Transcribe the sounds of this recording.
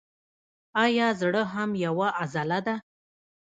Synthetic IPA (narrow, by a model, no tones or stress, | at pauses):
ɑjɑzɽəɦamjawaʔazalad̪a